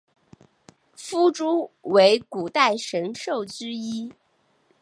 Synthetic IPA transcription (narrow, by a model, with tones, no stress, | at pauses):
fu˥ʈ͡ʂu˥we˧˥ɪku˨˩t̪a˥˩ɪʂə˧˥ŋʂo˥˩ʊt͡ɕ̩˥i˥